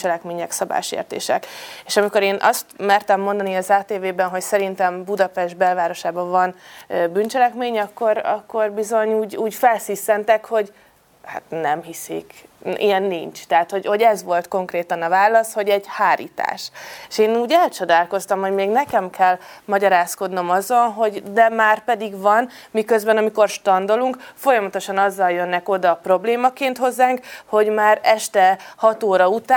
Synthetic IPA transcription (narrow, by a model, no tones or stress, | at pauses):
t͡ʃɛlɛkmeːɲɛksɒba̰ːʃḛːrt̪ḛːʃɛ̰keːʃɒmiko̞ɾeːnʔɒ̰st̪mɛrt̪ɛmːo̞nd̪ɒniɒzaːt̪eːveːbɛnɦo̞csɛɾint̪ɛmbud̪ɒpɛʒd̪̚bɛlvaːɾo̞ʃaːbɒvɒnbynt͡ʃɛlɛkmeːɲɒkːo̞ɾɒkːo̞rbizo̞ɲuːɟuːɟfɛlsisːɛnt̪ɛkho̞ɟ | ha̰t̪nɛmɦisḭkijɛnːḭɲt͡ʃt̪ɛɦat̪ho̞ɟho̞ɟɛzʋo̞lt̪ko̞ŋkreːt̪ɒnɒvaːlːɒsho̞ɟɛɟhaːɾḭːt̪a̰ːʃeʃeːnuːɟɛlt͡ʃo̞d̪aːlko̞st̪ɒmho̞ɟmeːɡnɛkɛmkʰɛlmɒɟɒɾaːsko̞d̪no̞mɒzo̞nɦo̞ɟd̪ɛmaːrpɛd̪iɡvɒnmikø̞zbɛnɒmiko̞rʃt̪ɒnd̪oluŋkfo̞jɒmɒt̪o̞ʃɒnɒzːɒljønːɛko̞d̪ɒpro̞bleːmɒkeːnt̪ho̞zːaːŋkho̞ɟmaːɾɛʃt̪ɛhɒt̪oːɾɒut̪aː